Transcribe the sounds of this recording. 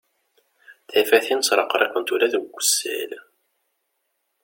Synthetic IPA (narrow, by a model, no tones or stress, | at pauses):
θʕɪfæθinsɾˤɑqɾˤeqːənt̪uɾæðəɡʷːəsːæ̰l